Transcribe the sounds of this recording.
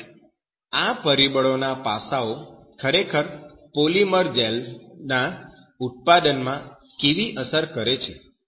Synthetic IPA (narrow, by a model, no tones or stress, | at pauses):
apəɾibəɭonapasao | kʰəɾekʰəɾ | poliməɾd͡ʒɛlna | ut̪̚pad̪ənmã | keʋiʔəsəɾkəɾet͡ʃʰe